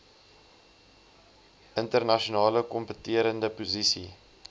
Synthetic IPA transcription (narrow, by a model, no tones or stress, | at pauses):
ʔəntərnɐʃonɑːləkɔmpətiəɾəndəpuzisi